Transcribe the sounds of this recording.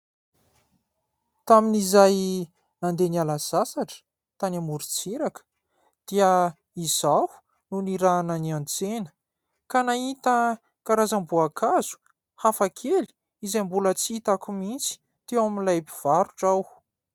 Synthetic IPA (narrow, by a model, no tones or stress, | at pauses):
t̪aminizaj | nand̪enialaz̥asaʈ͡ʂə̥ | t̪anamuɾut͡siɾakə̥ | d̪̥iə | izahu̥ | nuniɾanəniãnt͡senə̥ | kanait̪ə | kaɾazambuakʰazu̥ | hafakʰeli̥ | izajmbulət͡siit̪akumint͡si̥ | t̪ewaminlajpiv̥aɾuʈ͡ʂaw